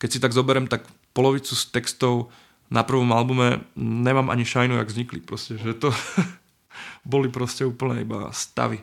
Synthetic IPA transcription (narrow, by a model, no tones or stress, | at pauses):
kɛcsit̪aɡzɔbɛɾɛmt̪ak | pɔlɔʋit͡sust̪ɛkst̪ɔʊ | napr̩ʋɔmalbumɛɲɛmaːmʔa̰ɲiʃajnua̰ɡvzɲiklipɾɔscɛʒɛt̪ɔ | bɔlipɾɔscɛuːpl̩ɲɛḭba̰st̪a̰ʋi